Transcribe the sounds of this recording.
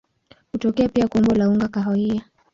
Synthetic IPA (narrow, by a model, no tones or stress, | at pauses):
hutɔkɛapiakɔmbɔlauŋɡakaɦɔia